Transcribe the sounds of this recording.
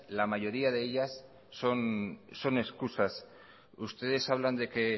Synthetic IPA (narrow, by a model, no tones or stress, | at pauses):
lamaʝo̞ɾiaðe̞eʎasː | o̞nso̞ne̞skusas | ust̪e̞ðe̞saβ̞land̪e̞ke̞